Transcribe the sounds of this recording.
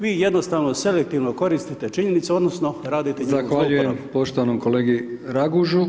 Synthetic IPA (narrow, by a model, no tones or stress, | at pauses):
ʋiːje̞d̪nost̪aʋno̞se̞lekt̪iʋnoko̞ɾist̪it̪e̞t͡ʃiɲe̞nit̪suo̞d̪nosno̞ɾaːd̪it̪eɲzaxʋaʎujempo̞ʃt̪oʋanomkoleːɡiɾaɡuʒu